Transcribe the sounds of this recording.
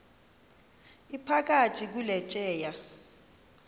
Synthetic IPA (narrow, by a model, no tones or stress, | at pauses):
ipʰak̬ʼatʰʼik̬ulɛt͡ʃʼɛːja